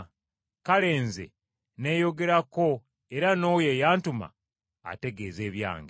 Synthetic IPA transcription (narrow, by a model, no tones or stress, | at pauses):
kale̞ːnzḛ | ne̞jo̞ɡe̞ɾako̞ | eɾano̞ːjejaːntuma̰ | a̰te̞ɡe̞ːze̞ːβja̰ːŋɡe